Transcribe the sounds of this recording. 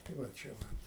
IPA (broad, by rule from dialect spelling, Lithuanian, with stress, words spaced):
tɐɪ ʋɐ ˈt͡ʃʲɛ ʋɐ